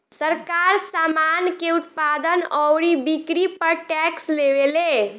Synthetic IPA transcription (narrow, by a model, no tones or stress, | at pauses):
səɾkaɾsamankeut̪pad̪ənəwɾibikɾipəɾʈɛkslebele